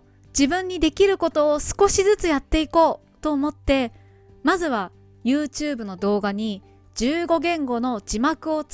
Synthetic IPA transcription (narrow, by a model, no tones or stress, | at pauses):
d͡ʑibɯ̟̃ɲ̟ːid̪e̞kʲiɾɯ̟ko̞t̪o̞ːsɨ̥ko̞ɕizɨt͡sɨjat̪ːe̞iko̞ː | t̪o̞ːmo̞t̪ːe̞ | mazɨβa | jɯ̟ːt͡ɕɨːbɯ̟no̞d̪o̞ːɡaɲ̟i | d͡ʑɨːɡo̞ɡẽ̞ŋɡo̞no̞d͡ʑimakɯ̟o̞t͡s